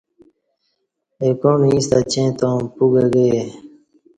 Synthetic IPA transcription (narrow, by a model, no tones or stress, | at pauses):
ekõːmĩst̪at͡ɕẽːt̪õːpuɡəɡe